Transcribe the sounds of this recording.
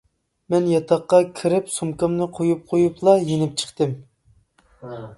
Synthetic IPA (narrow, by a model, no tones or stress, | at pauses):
mɛnjɑt̪ʰɑqːɑkʲʰiɾɪpsumkɑmnɨqʰojup̚qʰojuplˠɑjenɪp̚t͡ʃʰə̥χt̪ɨm